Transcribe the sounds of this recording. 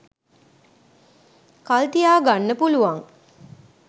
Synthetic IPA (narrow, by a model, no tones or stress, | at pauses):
kalt̪ijaːɡanːəpuluʋaŋ